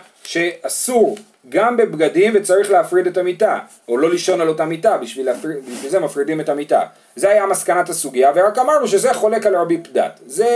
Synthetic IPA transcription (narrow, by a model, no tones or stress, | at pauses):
ʃe̞asu | ɡambe̞bɡadimvet͡saʁiχleafʁide̞tamita | olo̞liʃo̞nalo̞tamitabiʃvilfibiʃvilzemafʁidime̞tamita̰ | ze̞ajamaskanatasuɡiaveʁakamaʁnuʃe̞ze̞χo̞le̞kalʁabipda̰tze̞